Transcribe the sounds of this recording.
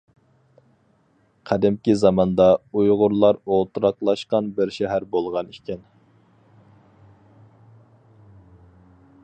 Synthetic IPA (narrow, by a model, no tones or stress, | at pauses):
qʰæd̪ɪmkʲizɑmɑnd̪ɑujʁʊɾlˠɑɾolˠt̪uɾɑqlˠɑʃqɑnbɪɾʃɛɦæɾbolˠʁɑnikʲʰɛn